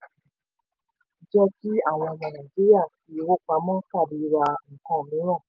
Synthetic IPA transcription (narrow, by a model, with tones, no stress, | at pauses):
d͡ʒɔ˧ti˦a˨w̃ɔ̃˧na˨na˨d͡ʒi˦ɾi˦a˦˨si˦wo˦k͡pa˧˦mɔ̃˦ka˦˨di˨˦ɾa˧ŋ̩˨kɔ̃˦˨mĩ˨˦ɾ̃ɔ̃˦˨